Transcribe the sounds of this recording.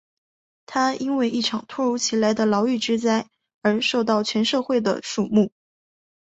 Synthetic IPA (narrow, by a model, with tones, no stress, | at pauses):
t̪ʰa˥i˥nwe˥˧ɪʔi˥˩ʈ͡ʂʰɑ˨˩ŋt̪ʰwɔ˥˧ɻu˧˥t͡ɕʰi˧˥la˧˥ɪd̪ə˧lɑ˧˥ʊy˥˩ʈ͡ʂɻ̩˥t͡sa˥ɪ | ə˞˧˥ʂo˥˧ʊt̪ɑ˥˩ʊt͡ɕʰɥɛ˧˥nʂɤ˥˧xwe˥˩ɪd̪ə̰˩ʂu˥˩mu˥˩